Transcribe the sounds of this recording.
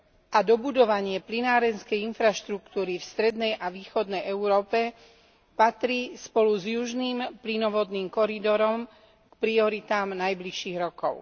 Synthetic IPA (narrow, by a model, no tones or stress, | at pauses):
ʔad̪ɔbud̪ɔʋaɲɪɛplinaːɾɛnskɛjinfɾaʃt̪ɾukt̪uːɾifst̪ɾɛd̪nɛjʔaʋiːxɔd̪nɛjɛʊɾɔːpɛ | pat̪ɾispɔluzjuʒniːmplinɔʋɔd̪niːmkɔɾid̪ɔɾɔm | kpɾiɔɾit̪aːmnajbliʃiːɣɾɔkɔʊ